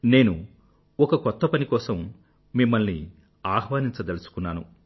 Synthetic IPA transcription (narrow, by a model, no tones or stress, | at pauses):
ne̞ːnu | ɔkɐkɔt̪ːɐpɐnikɔːsɐmː | imːɐlni | aːɦʋaːniɲt͡ʃɐt̪elusu̥kunːaːnu